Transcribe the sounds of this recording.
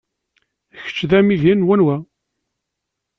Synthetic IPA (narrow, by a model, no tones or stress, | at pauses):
çə̥t͡ʃːðæmilinwænwæ